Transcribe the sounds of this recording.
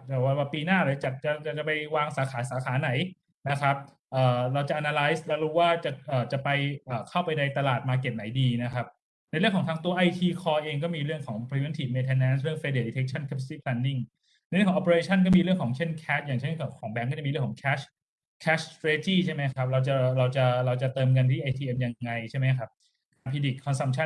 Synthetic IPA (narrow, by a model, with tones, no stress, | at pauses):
t̪ɛː˨˩waː˥˩waː˥˩piː˧naː˥˩ɾa˨˧˩t͡ɕa˨˩t͡ɕa˨˩t͡ɕa˨˩t͡ɕa˨˩pa˧jwaː˧ŋsaː˩˦xʰaː˩˦saː˩˦xʰaː˩˦na˩˦j | na˦˥kʰa˦˥p̚ | ʔaː˨˩ɾa˧wt͡ɕa˨ʔa˧naː˧la˦˥jslɛ˦˧˥wɾuː˦˥waː˥˩t͡ɕa˨˩ʔaː˨˩t͡ɕa˨˩pa˧jʔaː˨˩kʰa˥˩wpa˧jda˧jt̪a˧laː˨˩t̪̚maː˧ke˨˩t̪̚na˩˦jdiː˧na˦˥kʰa˦˥p̚ | na˧jɾɯ˥˩əŋʰɔː˩˦ŋt̪ʰa˦˥ŋt̪u˧ɐʔa˧jt̪ʰiː˧kʰɔː˧ʔeː˧ŋk̬ɔː˥˩miː˧ɾɯ˥˩əŋkʰɔː˩˦ŋpʰɾi˧e˧˥˦nt̪ʰiː˨˩meː˧t̪ʰɛ˧nːɛː˦˥ns̬ɾɯ˥˩əŋfe˧de˧˩li˧e˦˥k̚t͡ɕʰa˥˩nkʰe˦˥p̚siː˥˩pʰlɛː˧nːi˥˩ŋ | na˧ɾkʰːʔɔ˧pːeː˧t͡ɕʰa˥˩nkɔː˥˩miː˧ɾɯ˥˩əŋkʰɔː˩˦ŋt͡ɕʰe˥˩nkʰɛː˦˥t̪̚jaː˨˩ŋt͡ɕʰe˥˩kʰka˩kʰɔː˩˦ŋbɛ˦˥nkɔ˥˩a˨˩miː˧ɾɯ˥˩ŋkɔː˩˦ŋkʰɛː˦˥ɕ | kʰɛː˦˥ɕt̪ʰɾeː˦˥t̪iː˥˩t͡ɕʰa˥˩ma˦˥jkʰa˦˥p̚ɾa˧wt͡ɕa˨˩ɾa˧wt͡ɕa˨˩ɾa˧wt͡ɕa˨˩t̪ɤː˧mk̬a˧nt̪ʰiː˥˩ʔa˧jt̪ʰiː˧ʔe˧mja˧ŋːa˧jt͡ɕʰa˥˩jma˦jkʰa˦˥p̚ | ka˧npʰiː˧di˨˩k̚kʰːɔ˧nsa˧mt͡ɕʰa˥˩n